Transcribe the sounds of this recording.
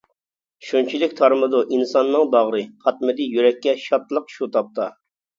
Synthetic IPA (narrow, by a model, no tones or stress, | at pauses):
ʃunt͡ʃʰilɪkʲt̪ʰɑɾmɨd̪uʔinsɑnːɨŋb̪ɑʁɾɨχɑt̪̚mɨd̪ɪjyɾɛkʲːɛʃɑt̪lˠəqʃut̪ʰɑp̚t̪ɑ